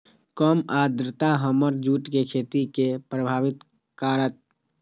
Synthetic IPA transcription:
kəmad̪ɾət̪aɦəməɾd͡ʒuʈkekʰet̪ikepɾəbʱaːʋɪt̪ | kaɾət̪̚

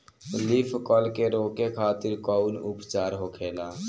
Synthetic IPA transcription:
lipʰkəlkeɾoːkekʰaːt̪ɪɾkɔʊnupt͡ʃaːɾɦokʰeːlaː

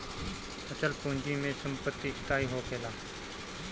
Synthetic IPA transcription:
ət͡ʃəlpõːnd͡ʒiːmẽːsəmpət̪ːiːst̪aːiːɦoːpeːlaː

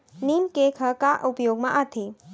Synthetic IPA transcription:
nimkekʰɐkaʔupɐjoɡ̚maʔat̪ʰe

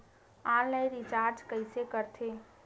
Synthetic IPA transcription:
ãlnəjɾit͡ʃaːɾd͡ʒkəɪsekəɾt̪ʰe

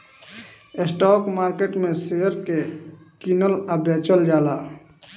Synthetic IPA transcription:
esʈɔːkmaːɾkeʈmẽsejəɾke | kinələbeːt͡ʃəld͡ʒaːla

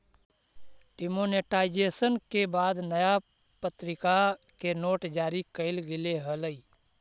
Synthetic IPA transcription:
ʈɪmoneʈaːɪd͡ʒeːsənkebaːd̪nəja | pət̪ɾɪka | kenoːʈd͡ʒaːɾikəɪlɡɪleɦələiː

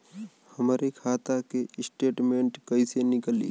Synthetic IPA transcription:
həmɾekʰaːt̪akeɪsʈeːʈmẽːɳʈkəisenɪkəlḭ

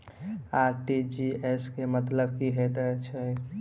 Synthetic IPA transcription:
aɾʈid͡ʒieskemət̪ləbkiɦet̪ət͡ʃʰɛ

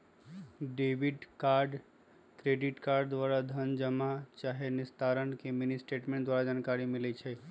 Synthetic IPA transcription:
ɖeʋiɖkaɾɖ | kɾeɖiʈkaɾɖd̪ʋaɾad̪ʱənd͡ʒəmat͡ʃaɦenɪst̪ʰaɾənkemɪnisʈeʈmẽɳʈd̪ʋaɾad͡ʒaːnkaɾimilet͡ʃʰe

